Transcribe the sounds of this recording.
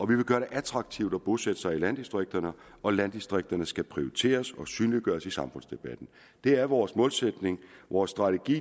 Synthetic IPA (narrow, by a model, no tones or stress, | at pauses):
ɒ̽ʋiʋe̝ɡ̥ɶːɐɾ̥e̝ʔæt͡sʰʁɑ̈ɡ̥̚t͡sʰiʊd̥ɒb̥o̝sed̥ə̥sɑ̈ɪilænd̥isd̥ʁeɡ̥̚d̥ɐnə | ɒ̽lænd̥isd̥ʁeɡ̥̚d̥ɐnəsɡ̥æpʰʁio̝it͡sʰe̝̰ːɐsɒ̽syːnliɡ̥ɶːɐsisɑ̈mfɔ̽n̰sd̥e̝b̥æd̥n̩ | d̥e̝æɐʋɒːsmɔ̽ːlsed̥ne̝ŋʋɒːsːd̥ʁɑ̈t͡sʰeɡ̥ḭː